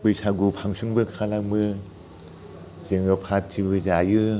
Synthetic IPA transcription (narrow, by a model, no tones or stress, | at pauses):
pɯjsʰaɡupʰaŋsʰuŋbɯkʰalakmɯ | zeŋɯpʰattʰːibɯzajɯ